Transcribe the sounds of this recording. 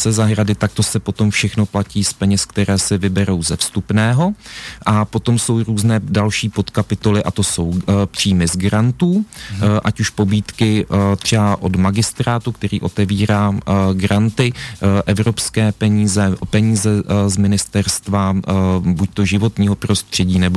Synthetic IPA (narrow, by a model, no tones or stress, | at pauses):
sɛzaɦɾadɪt̪ak̚t̪o̞sɛpo̞t̪o̞mfʃɛxno̞placiːspɛɲɛskt̪ɛɾɛːsɪvɪbɛɾo̞wzɛfst̪upnɛːɦo̞ʔapo̞t̪o̞mso̞wɾuːznɛːdalʃiːpo̞t̪kapɪt̪o̞lɪʔat̪o̞so̞wpr̝̥iːmɪzɡɾant̪uːʔacuʃpo̞biːt̪kɪt̪r̝̥ɛbaʔodmaɡɪst̪ɾaːt̪uk̚t̪ɛɾḭːʔo̞t̪ɛviːɾaːɡɾant̪ɪʔɛvɾo̞pskɛːpɛɲiːzɛpɛɲiːzɛzmɪnɪst̪ɛɾst̪vabuc̚t̪o̞ʒɪvo̞t̪ɲiːɦo̞pɾo̞st̪r̝̥ɛɟiːnɛbo